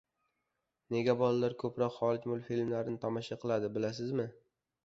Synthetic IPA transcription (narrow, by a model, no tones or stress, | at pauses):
ne̞ɡʲabɒlalaɾkʰɵpɾɒqχɒlˠɪkʲmʊlˠfilmlaɾɪnɪt̪ʰamɒʃaqʰɨlˠad̪ɪbɪlasɪzmɪ